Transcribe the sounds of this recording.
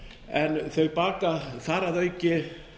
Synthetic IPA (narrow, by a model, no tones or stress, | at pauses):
ɛnθœɥɣpaːkaθaːɾaðœɥcɪ